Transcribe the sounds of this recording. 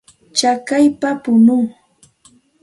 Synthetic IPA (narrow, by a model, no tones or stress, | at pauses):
t͡ʃakajpapʊnʊŋ